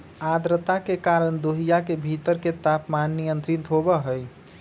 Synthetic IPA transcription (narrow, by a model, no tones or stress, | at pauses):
ad̪ɾət̪akekaɾəɳd̪oɦijakebʱit̪əɾket̪apmanːijənt̪ɾint̪ɦobəɦəj